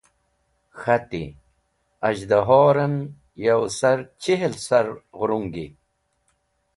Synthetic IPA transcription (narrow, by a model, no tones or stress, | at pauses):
xat̪ḭ | ɐʑd̪aɦoːɾɐn | jɐwsɐɾt͡ɕiɦelsɐɾɣɾuŋɡi